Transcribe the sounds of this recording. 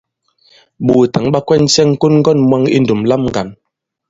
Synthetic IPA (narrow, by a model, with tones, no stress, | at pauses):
bu˨ta˨˦ŋɓa˦kwɛ˦n̩˦sɛ˦ŋ̩˦ko˦nŋ̩˦ɡɔ˦˨nmwa˦ŋḭ˦n˨du˨mla˦mŋɡa˨n